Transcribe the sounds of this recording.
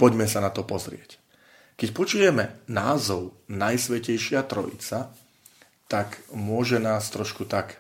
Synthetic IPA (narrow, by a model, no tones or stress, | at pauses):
pɔɟmɛsanat̪ɔpɔzɾɪɛc | kɛcpɔt͡ʃujɛmɛnaːzɔʊnajsʋɛcɛjʃɪat̪ɾɔ̰jḭt͡sa | t̪akmʊɔʒɛnaːst̪ɾɔʃkut̪ak